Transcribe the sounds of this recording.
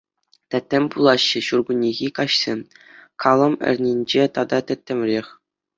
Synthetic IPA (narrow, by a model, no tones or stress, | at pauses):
t̪ʲæt̪ʲːɘ̆mʲpulˠɑɕːɘ̆ɕurɡunʲːiɣʲikɑɕsʲemʲ | kʰɑlˠɤ̆mɘ̰̆rʲnʲinʲd͡ʑet̪ɑd̪ɑt̪ʲɘ̆t̪ʲːɘ̆mʲrʲexʲ